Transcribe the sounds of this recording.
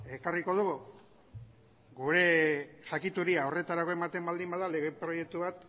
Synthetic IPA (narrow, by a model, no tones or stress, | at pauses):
e̞kariko̞ð̞uɣu | ɡuɾe̞ʝakit̪uɾiao̞re̞t̪aɾako̞e̞mat̪e̞mbald̪imbaðale̞ɣe̞pɾo̞je̞k̚t̪uβat̪